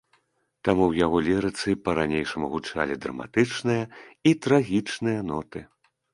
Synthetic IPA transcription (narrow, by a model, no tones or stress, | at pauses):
t̪amuwjaɣɔlʲiɾɨt̪sɨpɐɾanʲejʂɐmuɣut͡ʂa̰lʲid̪ɾɐ̰ma̰t̪ɨt͡ʂnɨjɐit̪ɾaɣʲit͡ʂnɨjɐnɔt̪ɨ